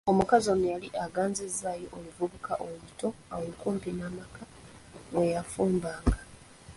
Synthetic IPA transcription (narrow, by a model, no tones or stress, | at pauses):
o̞mukazonejaliʔaɡaːnzezaːjoʔolivuβukaʔolito̞a̰weŋkuːmpinaːmaka | βwejafuːmbaːŋɡa